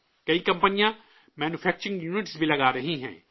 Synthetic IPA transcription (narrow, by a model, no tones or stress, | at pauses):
kɐikɐ̃mpənijã | mɛːnupʰɛːk̚t͡ʃɾɪ̃ŋɡjuːnɪʈsbʱilɐɡaːɾɐɦĩɦɛ̰̃ː